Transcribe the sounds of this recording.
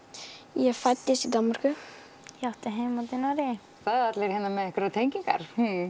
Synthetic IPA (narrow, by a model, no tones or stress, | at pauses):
jɛɣfat̪jɪsid̪anmaɾ̥kʏ | jaht̪ɪɦejmat̪ɪnɔɾɪ | θaðat̪leɾ̥hɛnːamɛðɛhkɪɾat̪ʰeɲciŋka̰ɾ̥